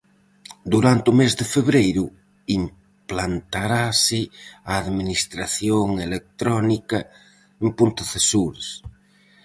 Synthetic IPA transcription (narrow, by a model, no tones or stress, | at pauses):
d̪uɾant̪umezðefeβɾejɾʊ | im | plant̪aɾasɪaːðminist̪ɾaθjoŋelek̚t̪ɾɔnikɐ | empunt̪aθesuɾes